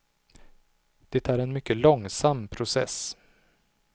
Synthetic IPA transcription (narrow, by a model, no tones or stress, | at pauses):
d̪̥ɛt̪æɾɛnmʏkːəlɔŋsamːpʰɾʊsɛ̰s